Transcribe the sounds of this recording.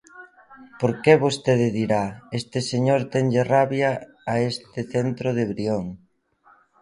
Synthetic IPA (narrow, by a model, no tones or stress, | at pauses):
poɾkeβost̪eðɪðiɾaest̪ɪseɲoɾt̪ɛŋʎeraβjaː | est̪ɪθent̪ɾoð̞eβɾioŋ